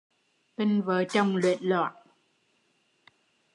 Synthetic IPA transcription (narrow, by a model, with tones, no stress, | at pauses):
t̪i˧ŋvəː˨˦jt͡ɕə˧wŋ͡mlwḭ˧˨ənla̰ː˧˨j